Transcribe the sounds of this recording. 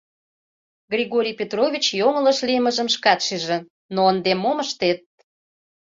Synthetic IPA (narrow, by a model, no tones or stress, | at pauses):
ɡrʲiɣoɾʲijpʲet̪rovʲit͡ɕjoŋələʃliməʒəmʃkɑt̪ʃiʒĕ | noənd̪emːoməʃt̪et̪̚